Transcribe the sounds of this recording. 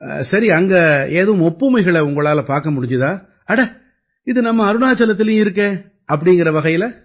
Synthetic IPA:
sɐɾiɐŋɡɐeːðɐʋɯmɔpːɯmɐɪɣɐɭɛʊŋɡɐɭaːlɐpaːɾkɐmʊɽɪɲd͡ʒɯðãː | ɐɽɐ | ɪðɯnɐmːɐːɾɯnaːt͡ʃɐlɐt̪ːɪlɐjʊ̃ɪɾɯk̬ːẽː | ɐp̬ːɐɽɪŋɡɪɾɐʋɐɣɐjɪlɐ

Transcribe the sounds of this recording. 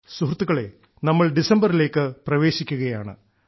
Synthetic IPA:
suɦrt̪ːuɣɐɭe̞̰ | nɐmːɐɭɖisɐmbɐɾile̞ːkːɨprɐʋe̞ːɕikʲːuɣɐjaːɳɨ̰

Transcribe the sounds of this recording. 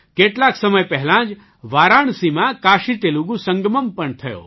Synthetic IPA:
keʈlaksəməjpɛɦlãːd͡ʒ | ʋaːɾaːɳ̃simãkaːʃit̪eluɡũsə̃ŋɡməmpəɳt̪ʰɐjo̰ː

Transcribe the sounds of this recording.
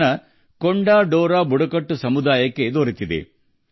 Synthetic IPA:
nɐ | koɳɖaːɖoːɾaːbuɽɐkɐʈːusɐmud̪aːjɐkːed̪oːɾit̪id̪ḛ

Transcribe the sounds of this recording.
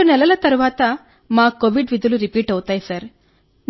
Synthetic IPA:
unɛlɐlɐt̪ɐɾuʋaːt̪ɐ | maːkoʋiɖʋid̪ʱuluɾipiːʈɐwut̪aːjisɐɾ | n

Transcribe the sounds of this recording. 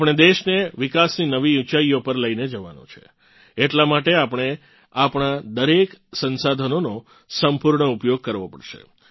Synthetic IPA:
pɽ̃ed̪eʃneʋikasninəʋiut͡ʃaiopəɾləined͡ʒəʋa̰no̰t͡ʃʰḛ | eʈlamaʈeapəɽ̃e | apɳ̃ad̪əɾeksənsad̪ʱənono | səmpuɾɳəupjoɡ̚kəɾʋopə̰ɽʃḛ

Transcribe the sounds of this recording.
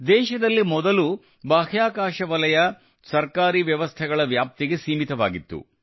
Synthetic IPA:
d̪ɛːʃɐd̪ɐlːimɔd̪ɐlu | baːɦjaːkaːʃɐʋɐlɐjɐ | sɐɾkaːɾiːʋjɐʋɐst̪ʰɛɡɐɭɐʋjaːp̚t̪iɡe̞siːmit̪ɐʋaːɡit̪ːṵ

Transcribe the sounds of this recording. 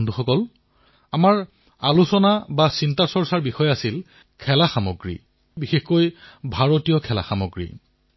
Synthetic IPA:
ndʱuxɔkɔl | amaɹ | alusɔnabasintasɔɹsaɹbixɔjasil | kʰɛlaxamoɡɹḭ | bixexkojbʱaɹotijɔkʰɛla̰xamɔɡɹḭ

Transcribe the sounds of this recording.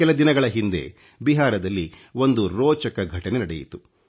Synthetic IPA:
kɛlɐd̪inɐɡɐɭɐɦind̪e̞̰ | biɦaːɾɐd̪ɐlːi | o̞nd̪uɾɔːt͡ʃɐkɐɡʱɐʈɐnenɐɽejḭt̪u

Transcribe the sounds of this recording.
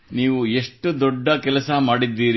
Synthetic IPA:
niːʋue̞ʂʈud̪ɔɖːɐkɛlɐsɐmaːɽid̪ːiːɾi

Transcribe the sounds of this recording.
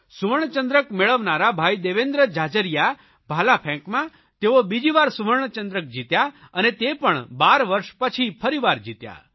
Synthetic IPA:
suʋəɾɳ̃t͡ʃə̃nd̪ɾəkmeɭəʋnaɾabʱajd̪eʋend̪ɾəd͡ʒad͡ʒəɾija | bʱalapʰɛ̃ŋkmã | t̪eobid͡ʒiʋaɾsuʋəɾɳ̃ət͡ʃənd̪ɾək̚d͡ʒit̪ja | ənet̪epəɳbaɾʋəɾʃpət͡ʃʰipʰəɾiʋaɾd͡ʒit̪ja̰

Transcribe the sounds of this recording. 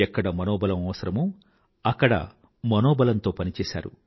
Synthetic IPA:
ɛkːɐɽɐmɐnoːbɐlɐmɐʋɐsɐɾɐmu | ɐkːɐɽɐ̰ | mɐnoːbɐlɐnt̪o̞ːpɐnit͡ʃɛːsa̰ːɾu

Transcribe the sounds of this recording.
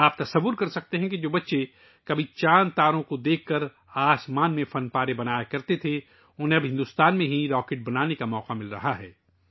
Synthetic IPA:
aːp̚t̪ɐsɐʋːʊɾkɐɾsɐk̚t̪eɦɛ̃kid͡ʒoːbɐtːʃe | kɐbʱit͡ʃaːnt̪aːɾõkod̪eːkʰːɐɾ | aːsmaːnmẽfɐnpaːɾebɐnaːjakɐɾt̪et̪ʰe | ʊnɦẽɐbɦɪ̃nd̪ʊst̪aːnmẽɦiɾɔːkeːʈ̚bɐnaːnekamɔːqamɪlɾɐ̰ɦaɦɛː

